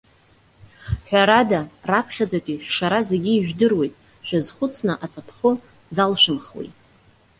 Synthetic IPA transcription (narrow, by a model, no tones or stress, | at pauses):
ħʷᶣaɾadarapʰχʲad͡zakʷʼiʃʷᶣʂaɾazeɡʲiːʒᶣdɨrwe̞jtʼ | ʃᶣazχʷʊt͡sʰnɨʔat͡sʼapʰχʊ | zalʃʷᶣɨmχwḛjtʼ